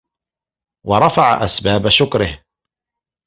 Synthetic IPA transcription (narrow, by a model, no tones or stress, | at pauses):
wɑɾˤɑfaʕa̰ʔa̰sbaːbaʃʊkɾɪh